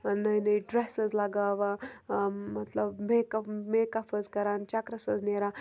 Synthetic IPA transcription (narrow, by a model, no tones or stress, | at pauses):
nɐinɐiɖɾesəzlaɡaʋa | mɐt̪ləbmekɐpmekɐpʰəzkɐɾant͡ʃakɾɐsəzneɾa